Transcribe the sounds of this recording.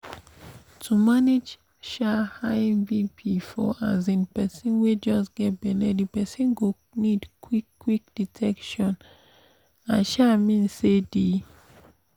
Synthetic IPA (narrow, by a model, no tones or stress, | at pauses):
tʰumaned͡ʒ | ʃahaɪvipʰifɔ̰ʔazĩnpɛsĩnwed͡ʒɔsɡ̥ɛt̚bɛlɛdipɛsĩnɡo | nidkwikːwikd̥itʰɛkʃɔ̃n | ãnʃamĩnsedi